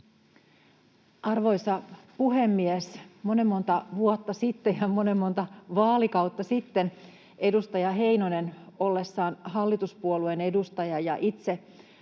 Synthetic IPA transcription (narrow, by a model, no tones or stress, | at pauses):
ʔɑrʋo̞jsɑpuɦe̞mːiesmo̞ne̞mːo̞nt̪ɑʋuot̪ːɑsit̪ːejjɑmone̞mːo̞nt̪ɑʋɑːlikɑwt̪ːɑsit̪ːen | e̞dust̪ɑjɑɦe̞jnoneno̞lːe̞sːɑːnhɑlːit̪uspuolue̞ne̞dust̪ɑjɑjɑ̰ʔit̪se̞